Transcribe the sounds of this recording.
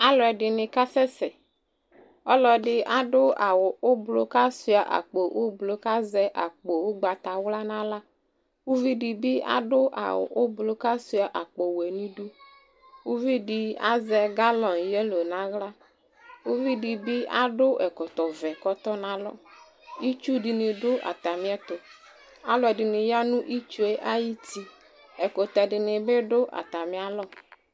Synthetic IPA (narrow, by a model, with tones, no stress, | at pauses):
a˦lɔ˨ɛ˨dɪ˨nɪ˨ka˦sɛ˦sɛ˨ | ɔ˦lɔ˨ɖɪ˦a˦ɖʊ˦a˨wʊ˨ʔʊ˦blo˨ka˦si˨˦a˨ʔa̰˨k͡po˨ʔʊ˦blo˨ka˦zɛ˦ʔa̰˨k͡po˨ʊ˦ɡ͡ba˨t̪a˨wla˦nã˦la˦ | wu˦vi˦di˨bɪ˦a̰˦dʊ˦ʔa̰˨wʊ̰˨ʔʊ˦blo˦ka˦su˦a˨ʔa˨k͡po˨wɛ˨nĩ˦du˦ | wu˦vi˦di˨a̰˦zɛ˦ɡa˦lɔ˨n˨je˦lo˨nã˦ɣla˦ | wu˦vi˦di˨bi˦a̰˦ɖʊ˦ʔɛ˨kɔ˨t̪ɔ˨vɛ˨kɔ˦t̪ɔ˦nã˦lɔ̰˦ | i˦t͡ʃu˦ɖi˨nɪ̃˨ɖʊ˦ʔa̰˨t̪a˨mĩ˨˦ɛ˦t̪ʊ˨ | a˦lɔ˨ɛ˨ɖɪ˨nɪ˨ja˦nũ˦ʔi˦t͡ʃu˦e˦ʔa˦ji˦t̪i˦ | ɛ˨ko˨t̪ɛ˨ɖɪ˨nɪ˨be˦ɖʊ˦ʔa̰˨t̪a˨mĩ˨˦a˦lɔ˦